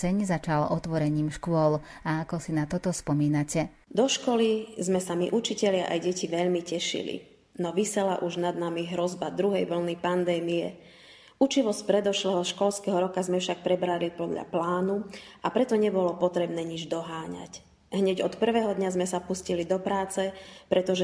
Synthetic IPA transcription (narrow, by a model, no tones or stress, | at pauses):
sɛɲzat͡ʃalɔt̪ʋɔɾɛɲiːmʃkʊɔl | aakɔsinat̪ɔt̪ɔspɔmiːnacɛ | d̪ɔʃkɔlizmɛsamiʔut͡ʃicɛʎɪaʔajɟɛciʋɛʎmicɛʃḭlḭ | nɔʋisɛla̰ʔuʒnad̪namiɦɾɔzbad̪ɾuɦɛjʋl̩nipand̪ɛːmiɛ | ʔut͡ʃiʋɔscpɾɛd̪ɔʃlɛːɦɔʃkɔlskɛɦɔɾɔkazmɛfʃak̚pɾɛbɾalipɔd̪ʎa̰plaːnuʔapɾɛt̪ɔɲɛbɔlɔpɔt̪ɾɛbnɛːɲid͡ʒd̪ɔɦaːɲa̰c | ɦɲɛɟɔt̪pr̩ʋɛːɦɔd̪ɲazmɛsapuscilid̪ɔpɾaːt͡sɛpɾɛt̪ɔʒɛ